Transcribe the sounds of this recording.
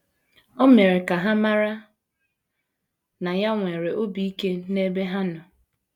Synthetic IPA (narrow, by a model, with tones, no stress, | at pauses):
ɔ˦me˨ɾe˨ka˨ɦa˦ma˦ɾa˦ | na˨ja˦ŋʷe˨ɾe˨ʔo˦bi˦i˦ke˦ne˦be˦ɦa˦nʊ˨